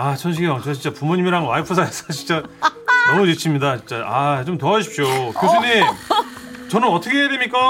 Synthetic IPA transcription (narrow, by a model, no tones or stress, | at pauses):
at͡ɕʰʌnɕʰiɡeʌŋt͡ɕ͈ʌt͡ɕint͡ɕ͈apumoɲimiɾaŋwaipʰɯs̬ʰaes͈ʌt͡ɕʰi̥nt͡ɕ͈anʌmut͡ɕit͡ɕʰimɲidat͡ɕint͡ɕ͈aat͡ɕomtoaɕ̬ʰi̥p̚ɕokɯesʰɯɲi | t͡ɕʌnɯnʌtʰʌkʰejeɾimik͈a